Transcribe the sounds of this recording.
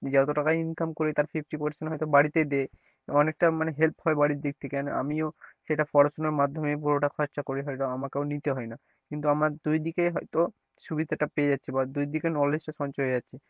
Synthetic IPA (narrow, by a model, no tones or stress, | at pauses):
d͡ʑat̪oʈakajinkamkoɾet̪aɾfʰifʰʈipaɾsenɦɔjt̪obaɽit̪ed̪e | ɔnek̚ʈamaneɦelphɔebaɽiɾd̪ek̚t̪ʰekɛnoʔa̰mioʃeʈafɔɾosoneɾmad̪ʱːomebuɾoʈakʰɔtːʃakoɾiɦɔeʈoamakeonit̪eɦɔena | kint̪uamaɾd̪ujd̪ikeɦɔjt̪o | ʃubid̪ʱaʈapeed͡ʑatːɕʰibad̪ujd̪ikenɔled͡ʑʈaʃɔnt͡ɕɔed͡ʑatːɕʰi